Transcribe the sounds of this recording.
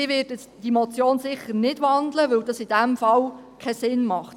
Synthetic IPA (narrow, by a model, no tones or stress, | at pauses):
ɪʋɪːɾd̥ə | d̥imot͡sjoːnsɪχənɪd̥ʋɑndləʋɵwdɑsɪd̥æmfɑl | kʰɛsɪnmɑχt